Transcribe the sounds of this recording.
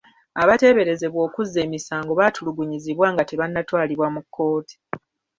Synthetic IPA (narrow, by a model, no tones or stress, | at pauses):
aβate̞βe̞ɾe̞ze̞βwo̞ːkuzːe̞ːmisaːŋɡo̞βatuluɡuɲiziβwaːŋɡate̞βanːatwaːliβwamukʰːo̞ːti̥